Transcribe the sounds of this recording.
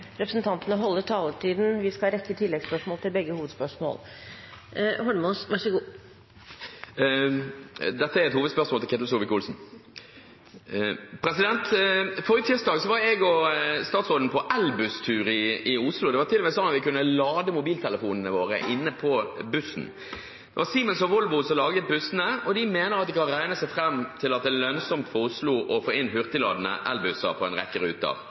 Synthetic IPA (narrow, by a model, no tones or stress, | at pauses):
ɾɛpɾəsn̩t̪ʰɑnt̪ənəɦɔlːəʈʰɑːləʈiːd̪n̩ʋɪskɑɾɛkːət̪ʰɪlːɛɡspœʂmoːlt̪ɪlbɛɡːəhuːʋəd̪spœʂmo̰ːl | hɔɖəmɔsʋæʂəɡuː | d̪ɛt̪ːəɛɾɛt̪huːʋəd̪spœʂsmoːlɪkɛt̪lsuːʋɪkʊlsn̩ | pʰɾɛsɪd̪ɛnt̪fɔːɾət̪ʰɪst̪ɑːɡsɔʋɑɾɛɡɔst̪ɑːt̪sʁoːd̪n̩pʰɔʔɛlbʉst̪ʰʉːɾɪɪʊslʊd̪ɛʋɑt̪ʰɪlʋɛsɔnːɑt̪ʋɪkʉnːəlɑːd̪əmʊbiːlt̪ʰɛləfuːnən̩əʋoːɾə̰ʔɪnːəpʰɔbʉsn̩ | d̪̥ɛʋɑɾsiːmɛnsɔʋɔlʋʊsɔmlɑːɡət̪̚bʉsənəɔd̪ɪmeːnəʁɑt̪̚d̪ɪkɑnɾæɪnəsæɪfɾɛmːt̪ʰɪlɑt̪̚d̪ɛːlœnsɔmt̪fɔʊsluʔɔfoːɪnhʏʁt̪ɪlɑ̰ːd̪ənə̰ʔɛlbʉsə̰pʰɔɛnʁɛ̰kːəɾʉ̰ːt̪ɑ̰